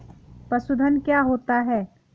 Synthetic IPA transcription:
pɐsʊd̪ʱənkjaɦoːt̪aɦɛː

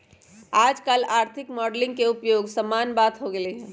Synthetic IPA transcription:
aːd͡ʒkaːlaːɾt̪ʰikmɔɖlɪ̃ŋɡkeupjoɡsəmːanbat̪ɦoɡeleɦɛ̃

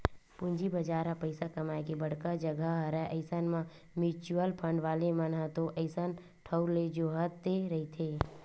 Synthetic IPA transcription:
pʊ̃ɲd͡ʒibəd͡ʒaːɾapəɪsakɐmaːekebəɽ̤kad͡ʒəɡəɦɾəʔəɪsənmã | mɪt͡ʃuəlpʰə̃ɳɖʋaːlemənɦət̪oʔəɪsən | ʈʰəʊɾled͡ʒoːɦət̪d̪eɾɐɦit̪ʰeː

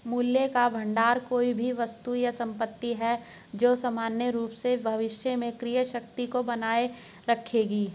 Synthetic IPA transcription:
muːljekabʱɐ̃ɳɖaːɾkoːibʱiʋɐst̪ujasɐ̃mpət̪ːiɦɛ | d͡ʒoːsɐmaːnjəɾuːpsebʱɐʋɪʃjəmẽkɾijəʃɐkt̪ikobɐnaːe | ɾɐkʰeːɡiː

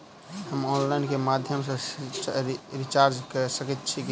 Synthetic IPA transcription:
ɦəmɔnlajnkemad̪ʱjəmsə̃ | ɾit͡ʃaɾd͡ʒkəsəkɛt̪̚t͡ʃʰiki

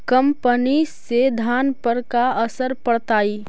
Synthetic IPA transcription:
kəmpənised̪ʱaːnpəɾkaəsəɾpəɽt̪aːiː

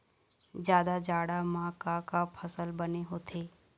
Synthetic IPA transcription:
d͡ʒjaːd̪ad͡ʒaːɽamãːkakapʰəsəlbɐneɦoːt̪ʰeː

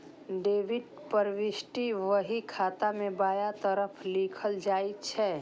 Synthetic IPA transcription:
ɖeːbiɖ | pəɾʋisʈiʋəɦikʰat̪amebaːjat̪əɾəpʰlikʰəld͡ʒait̪t͡ʃʰɛ

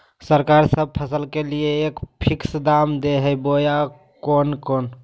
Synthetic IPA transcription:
səɾkaɾsəb̚pʰəsəlkelijeːkpʰiksd̪amd̪eɦɛboja | konkoːn

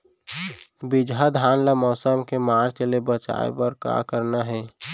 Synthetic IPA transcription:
bid͡ʒʱɦad̪ʱaːnlamɔːsəmkemaːɾt͡ʃəlebət͡ʃa̰ːḛpəɾka̰kəɾnaɦɛː

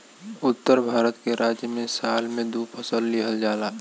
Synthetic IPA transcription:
ʊt̪ːəɾbʱaːɾət̪keɾʔaːd͡ʒjəmẽsaːlmẽd̪uːpʰəsəlːiɦəld͡ʒaːlaː

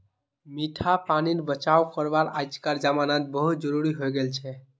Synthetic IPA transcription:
miʈʰapaninebət͡ʃaowkəɾbaɾajt͡ʃkaɾd͡ʒamanat̪̚bəɦut̪̚d͡ʒəɾuɾiɦojɡelt͡ʃʰɛ

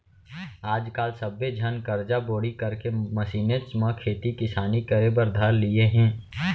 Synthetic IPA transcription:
aːd͡ʒkaːlsəbːed͡ʒʱənkəɾd͡ʒaboːɽikəɾkeməsiːnet͡ʃmãkʰeːt̪ikɪsaːnikəɾebəɾd̪ʱəɾlieɦɛ̃ː

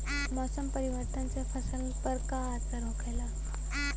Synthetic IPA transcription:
mɔsəmpəɾiʋəɾt̪ənt͡ɕjafəsənĩpəɾkaataɾokʰajla

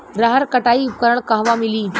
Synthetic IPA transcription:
ɾaɦəɾkəʈaikəɾəɳkaɦʋamiliː

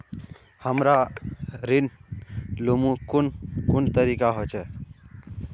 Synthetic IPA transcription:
həmɾa | ɾin | lumũkʊnkʊnt̪əɾikaɦot͡ʃʰɛ

